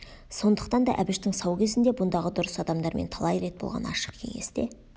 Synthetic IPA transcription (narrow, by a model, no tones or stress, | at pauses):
so̞nd̪əqt̪ɑnd̪ɑ̰ʔæbɪʃt̪ɪŋsɑwkʲʰe̞zɪnd̪e̞bʊnd̪ɑʁəd̪ʊɾəsɑd̪ɑmd̪ɑɾmʔent̪ʰɑlˠɑjɾe̞t̪̚bo̞̰lˠʁɑ̰nɑ̰ʃə̥qkʲʰe̞̰ŋe̞sd̪e̞